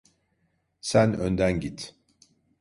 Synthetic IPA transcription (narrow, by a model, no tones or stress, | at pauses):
sænø̰nd̪ænɟit̪